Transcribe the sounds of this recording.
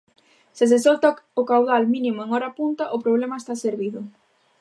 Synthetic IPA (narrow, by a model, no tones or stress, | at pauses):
sɪs̬esɔlt̪aokawðalmĩnimʊeŋɔɾapunt̪ɐʔʊpɾoβlemɐest̪aseɾβiðʊ